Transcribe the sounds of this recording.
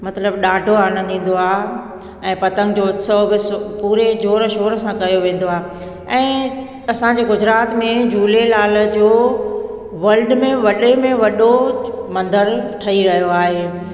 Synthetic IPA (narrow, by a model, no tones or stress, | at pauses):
mɐt̪ləbɗaːɖʱoaːɽ̃ə̃d̪ĩːn̆d̪oaːɦ | ɛ̃ːpɐt̪ə̃ŋɡd͡ʑoːʊt̪səbɪspuːɾed͡ʑoːɾəʃoːɾəsãkɐjoʋẽːn̆d̪oaːɦe | ɛ̃ː | ɐsãd͡ʑeːɡʊd͡ʑɾaːt̪mẽd͡ʑuːlelaːləd͡ʑoː | ʋɐlɖmẽʋɐɗemẽʋɐɗomɐ̃nd̪əɾʈʰɐiɾɐɦjoaːɦeː